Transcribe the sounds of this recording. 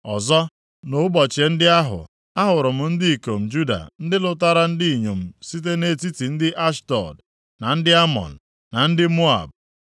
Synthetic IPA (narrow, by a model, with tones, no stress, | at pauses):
ɔ˨zɔ˦ | no˨ʊ˦bɔ˨t͡ʃe˨n̩˦dɪ˦a˦ɦʊ̰˨ | a˦ɦʊ˨ɾʊ˨m̩˨n̩˦dɪ˦i˨ko˨m̩˨d͡ʒu˦da̰˨n̩˦dɪ˦lʊ˦ta˦ɾa˦n̩˦di˦i˨ɲo˨m̩˨si˦t̬e˦ne˦ti˦ti˨n̩˦dɪ˦ʔa˦ʃtɔ̰˨d | na˨n̩˦dɪ˦a˦mɔ̰˨n̩˨ | na˨n̩˦dɪ˦mo˦a̰˨b